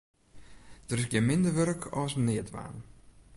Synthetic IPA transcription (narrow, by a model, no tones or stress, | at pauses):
d̥ərɪsɡjɛmɪndərʋørkʰɔsnɪətʋa̰ːn